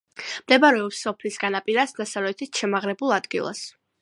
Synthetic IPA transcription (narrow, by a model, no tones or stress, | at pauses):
md̪ɛbaɾɛɔpsɔpʰlisɡanapʼiɾasd̪asavlɛt̪ʰisʃɛmaʁlɛbulˠad̪ɡḭlˠa̰s